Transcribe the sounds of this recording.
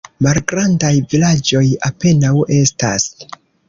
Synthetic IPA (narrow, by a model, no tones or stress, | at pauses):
malɡɾandajvilad͡ʒo̞jape̞nawe̞sta̰s